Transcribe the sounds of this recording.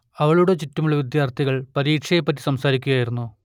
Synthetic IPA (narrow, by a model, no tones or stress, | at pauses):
ɐʋɐɭuɽe̞t͡ɕitːɐmuɭːɐʋid̪jaːrt̪ʰiɣɐɭpɐɾiːkʂɐjepːɐt̬ːi̥sɐmsaːɾikʲːuɣjaːjiɾunːu